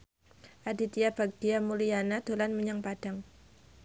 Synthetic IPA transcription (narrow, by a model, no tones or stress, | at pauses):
ʔadit̪iab̥ak̚d̥iamulijanad̪̥o̤lanmuɲaŋpad̥a̤ŋ